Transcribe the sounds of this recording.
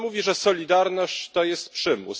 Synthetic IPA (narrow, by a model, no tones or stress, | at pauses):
muvʲiʐɛsɔlʲid̪aɾnɔɕt͡ɕt̪ɔjɛst̪̚pʂɘmṵs